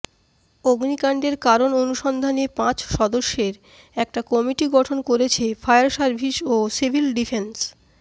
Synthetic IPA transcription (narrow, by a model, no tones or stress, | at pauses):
oɡnikaɳɖeɾkaɾononuʃɔnd̪ʱanepãt͡ɕʃɔd̪oʃːeɾ | ɛk̚ʈakɔmiʈiɡɔʈʰonkoɾet͡ɕʰefʰajaɾsaɾbʱiʃosibʱilɖifʰens